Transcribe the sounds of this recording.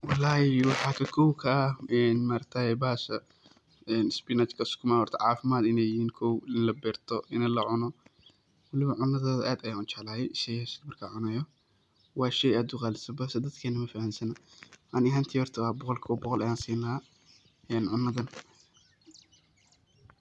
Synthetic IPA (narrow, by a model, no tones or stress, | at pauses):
wɑlːaːhɪwɑħɑːkʰɐkʰɔwkʰɐʔɛːnmaːɾkt̪ʰɐjɛbaːsɐ | ɛːnɪspɪnɐt͡ʃkʰɐskʰʊmahɔrt̪ʰɐ̰ʕɑːfɪmaːd̪ɪnɛjɪhiːnkʰɔwɪnlɐbɛːrt̪ʰɔʔɪnɐlɐʕʊnɔ | wɐlɪβɐʕʊnːɐðɔːðɐʔaːd̪ɐjaʔʊt͡ʃɛʕlaːjɛʔɪʃɛjɛsɐ̥d̪mɐrkʰaːʕʊnɐjɔ | wɑːʃɛjaːd̪ʊqɑːlɪsɐbaːsɐd̪ɐd̪kʰɛːnɐmɐfahansɐnɐʔɐnɪɦaːnt̪ʰiːhɔrt̪ʰɐwɑːbɔqɔlkʰɔːbɔqɔlɐjaːnsiːnɐ | ɛːnʕʊnːɐðɐn